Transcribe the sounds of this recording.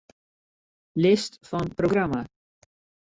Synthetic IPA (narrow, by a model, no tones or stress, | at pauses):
lɪst̪fɔnpɾoɡɾama